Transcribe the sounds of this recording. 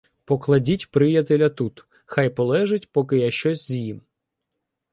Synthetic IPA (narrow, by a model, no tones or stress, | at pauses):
pɔklˠɐdʲitʲpɾɪjɐt̪elʲɐt̪ut̪ | xajpɔlˠɛʒetʲpɔkɪjaʃt͡ʃɔsʲzʲjim